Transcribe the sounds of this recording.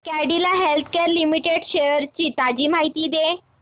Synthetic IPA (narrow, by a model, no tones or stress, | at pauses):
kæɽilaɦelt̪ʰkeɾlimiʈeɽɕeəɾt͡ɕiːt̪ad͡ʑiːmaɦit̪iːd̪e